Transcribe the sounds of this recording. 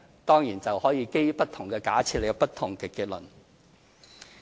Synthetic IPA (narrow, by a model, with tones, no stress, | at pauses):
t̪ɔː˥ŋjiː˨˩nt͡sɐ˨whɔː˨˥jiː˨˧ke˥jpɐ˥t̚t̪ʰʊ˨˩ŋkɛː˧ka̰ː˨˥t͡sʰi˧t̚le˨˧jpɐ˥t̚t̪ʰʊ˨˩ŋkɛː˧kiː˧t̚lɵ˨˩n